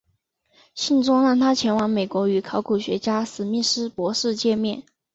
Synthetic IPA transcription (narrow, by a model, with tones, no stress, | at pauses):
ɕi˥˩nʈ͡ʂʊ˥ŋla˥˩ŋt̪ʰa˥t͡ɕʰjɛ˧˥nwɑ˧˥ŋme˨˩ɪkwɔ˧˥y˧˥kʰɑ˧˥ʊkʰu˨˩ɕɥɛ̰˧˥t͡ɕja˥sɹ̩˨˩mi˥˩ʂɻ̩˥pwɔ˧˥ʂɻ̩˥˧t͡ɕjɛ˥˧mjɛ˥˩n